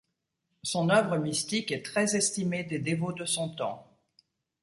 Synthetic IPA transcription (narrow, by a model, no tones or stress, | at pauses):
sɔ̃nœvʁəmist̪ikɛt̪χɛzɛst̪imed̪ed̪evod̪əsɔ̃t̪ɑ̰̃